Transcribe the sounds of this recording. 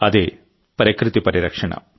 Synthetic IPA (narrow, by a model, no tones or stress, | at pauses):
ɐðeː | pɐɾikɾɨt̪ipɐɾiɾɐkʂɐɳɐ̰